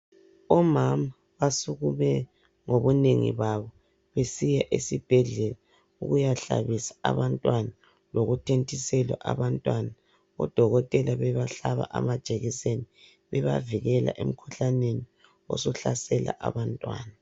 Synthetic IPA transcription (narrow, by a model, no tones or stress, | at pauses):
ɔmama | βasuɣumɛ | ŋoβuneŋḭβaβɔ | βesijaʔesib̥ʱɛɮɛla | ṵɣujaɬa̰βisḁa̰βantʼwana | loɣutʰentʰʼisɛlwa̰ʔaβantʼwana | ɔ̰d̥ʱɔɣɔtʼɛlaβɛβaɬaβa̰ʔamad̥ʒ̥ʱeɣiseni | βɛβaviɣɛla̰ʔem̩kʰuɬaneni | ɔ̰sɔɬa̰sɛla̰ʔa̰βantʼwa̰ːna